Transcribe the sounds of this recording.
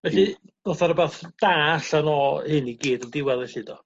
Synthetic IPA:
vɛɬinɔθaɾəbaːθd̥aːɬanɔhɨniɡiːdɔndɪwɛlˠɛɬɪdɔ

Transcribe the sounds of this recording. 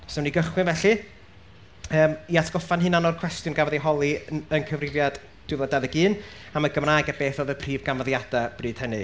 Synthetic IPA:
sɔwniɡəχwɪnvɛɬɨ | əːmiatʰɡ̥ɔfanhɨnanɔrkʰw̥ɛstjʊnɡavɔðejɦɔlˠiənkʰəvrɪvjad̥ | d̥wɪvɔdaðɛɡɨːn | amaɡəmrajɡabeːθɔðəpʰriːvɡamaðjad̥ab̥rɨːd̥hənɨ

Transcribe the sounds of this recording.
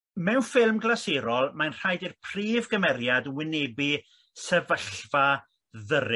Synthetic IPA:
mɛwnfɪlˠmɡlˠaseɾɔlˠmanr̥ajdirpʰr̥iːvɡəmɛɾjadwɪnɛbi | sɛvəɬva | ðəɾɪ

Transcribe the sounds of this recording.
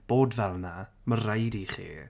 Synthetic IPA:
b̥oːdvɛlˠna | məɾajdiχḭː

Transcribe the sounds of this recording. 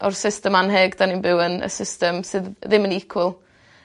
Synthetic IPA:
ɔrsɪstəmanɦɛɡd̥aninbɪwənə̰sɪstəmsɨːððɪmənɪkʰwɪlˠ

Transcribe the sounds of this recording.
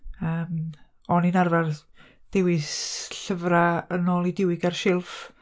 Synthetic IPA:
əːm | ɔninarvarð | d̥ɪwɪsɬəvraənɔːlˠidɪwɪɡarʃɪlˠf

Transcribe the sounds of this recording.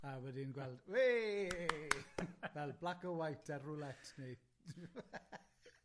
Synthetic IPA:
awɛdɪnɡwɛlˠd̥we | vɛlˠblˠakəwajtʰarʊlˠɛtʰneɨd̥

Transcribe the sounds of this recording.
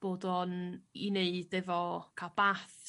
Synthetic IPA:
b̥oːdɔnineɨdɛvɔkʰab̥aːθ

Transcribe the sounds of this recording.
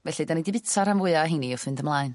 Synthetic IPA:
vɛɬidanidɪbɪtʰaɾanvʊɨaɦiniʊθwɨndəmlˠaːɨn

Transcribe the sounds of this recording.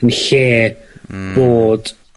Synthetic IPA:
ənɬeː | b̥oːd̥

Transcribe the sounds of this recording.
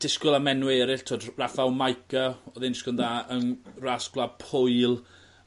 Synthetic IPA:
d̥ɪskʊlˠamɛnwɛːɾɪɬtʰoːdrafawmajkʰəɔðɪnskʊnðaːənrasklˠapʰʊjlˠ

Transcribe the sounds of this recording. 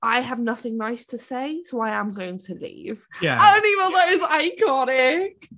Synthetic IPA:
ʔaɪəvnʌθɪ̃ŋnaɪstʰəseɪsoʊaɪə̃ɪ̃mɡoʊɪ̃ŋtʰəlḭːv̥jæaɪdõʊ̃ntivə̃nðoʊzaɪɡɔɾɪt

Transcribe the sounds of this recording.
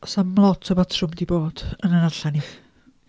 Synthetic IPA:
ɔsamlˠɔtʰɔbatʰrʊmdiboːd̥ənənarɬani

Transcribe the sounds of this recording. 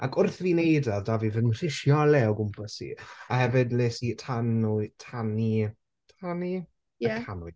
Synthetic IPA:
a̰kʰʊrθviːnejdaðdavivənnr̥ɪʃjɔlɛoɡʊmpʰəsḭahɛvɪdlɪsitʰanutʰani | tʰani | əkanʊj

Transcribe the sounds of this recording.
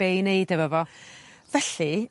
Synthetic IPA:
ejnejdəvəvɔvɛɬi

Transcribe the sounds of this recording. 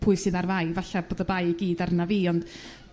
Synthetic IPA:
pʰʊɨsɨːðarvajvaɬaboːdəbajiɡiːdaɾənaviːɔnd̥

